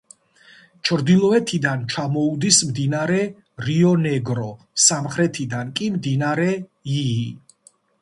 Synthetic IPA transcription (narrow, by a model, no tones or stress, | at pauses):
t͡ʃʰɾd̪ilˠɔɛt̪ʰid̪ant͡ʃʰamɔud̪ismd̪inaɾɛ | ɾiɔnɛɡɾɔ | samχɾɛt̪ʰid̪ankʼimd̪inaɾɛiː